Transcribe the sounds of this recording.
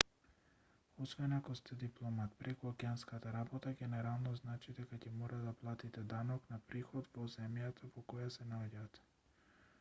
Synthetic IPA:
ɔsvɛnakɔst̪ɛd̪iplˠɔmat̪pɾɛkuakɛanskat̪aɾabɔt̪aɡɛnɛɾalˠnɔznat͡ʃid̪ɛkacɛmɔɾad̪aplˠat̪it̪ɛd̪anɔknapɾixɔd̪vɔzɛmjat̪ʰavɔkɔjasɛnaɔɟat̪

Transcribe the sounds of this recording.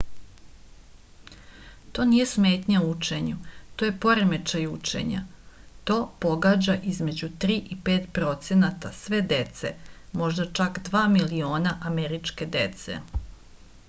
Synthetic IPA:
t̪o̞ːnije̞sme̞ːt̪ɲauut͡ʃe̞ɲut̪oːje̞po̞ɾeme̞t͡ʃajut͡ʂḛɲa̰t̪o̞ːpo̞ɡaːd͡ʑaʔizme̞d͡ʑut̪ɾiːʔipe̞ːt̪pɾo̞t̪se̞nat̪asʋe̞d̪e̞t̪sḛmo̞ʒd̪at͡ʃakd̪ʋaːmilio̞ːnaʔame̞ɾit͡ʃke̞d̪e̞t̪se̞̰

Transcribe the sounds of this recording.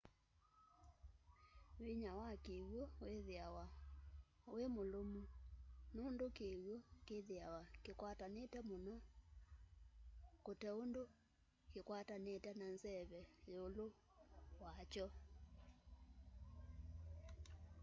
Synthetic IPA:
wiɲawakeɣwɔweðeawa | wemolomunondokeɣwɔkeðeawakekwatanetɛmonɔ | kotɛondo | kekwatanetɛnanzɛβɛjolo | wat͡ʃɔ

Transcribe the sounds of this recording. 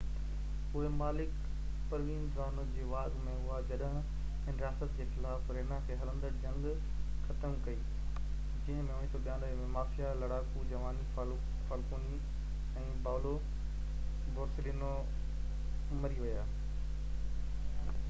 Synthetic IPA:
ʊɦemaːlɪk | pɐɾʋĩːnzaːnʊd͡ʑeːʋaːɡmẽʊɦad͡ʑɐɗɦɪ̃ | ɪnɾijaːsət̪̚d͡ʑeːxɪlaːfɾeːnakʰeːɦɐlə̃nd̪əɾd͡ʑɐ̃ŋɡ | xɐt̪əmkɐiː | d͡ʑɪ̃ɦə̃mẽʊnĩt̪oɓjãːɗəɦmẽmaːfijalɐɽaːkud͡ʑɐʋaːni | faːlkuːni | ɛ̃ːbaːlo | boːɾsɪliːno | mɐɾiʋɐjaː

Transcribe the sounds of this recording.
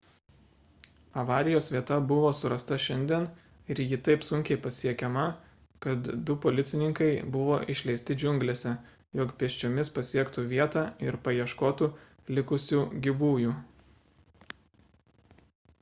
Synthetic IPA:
ɐʋɑːɾʲɪjoːsʋʲiɛt̪ɐbʊʋoːsʊɾɐst̪ɐʃʲɛnʲd̪ʲiɛn | ɪɾjɪt̪ɐɪpsʊŋʲkʲɛɪpɐsʲiɛkʲɛmɐ | kɐt̪d̪ʊpoːlʲɪt̪sʲɪnʲɪŋkɐɪbʊʋoːʔɪʃʲlʲɛɪst̪ʲɪd͡ʒʲʊŋʲɡlʲeːsʲɛ | joːkpʲiɛsʲt͡ʃʲoːmʲɪspɐsʲiɛkt̪uːʋʲiɛt̪ɑːɪɾpɐjiɛʃkoːt̪u | lʲɪkʊsʲuːɡʲɪbuːjuː

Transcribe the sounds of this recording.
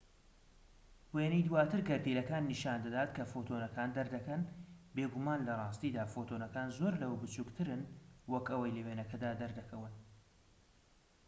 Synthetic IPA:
weːnɛjd̪waːt̪ʰɨɾɡɐɾt̪ilɐkaːnːiːʃaːnd̪ɐd̪aːt̪kʰɐfot̪ʰonɐkaːnd̪ɐɾd̪ɐkɐnbeːɡumaːnlɐrˤɑːst̪iːd̪aːfoːt̪ʰonɐkaːnzoɾlɐwbɨt͡ʃuːkt̪ʰɨɾɨnwɐkʔɐwɐjlɐweːnɐkʰɐd̪aːd̪ɐɾd̪ɐkʰɐwɨn

